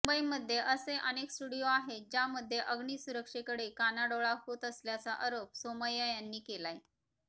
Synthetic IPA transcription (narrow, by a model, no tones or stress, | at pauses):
bəiməd̪ʱːjeʔəseʔəneksʈuɽijoaɦed͡ʑjaməd̪ʱːjeʔəɡɳiːsuɾəkʂekəɽekanaɽoɭaɦot̪əsljat͡saʔəɾopsoməjəjanːiːkelaj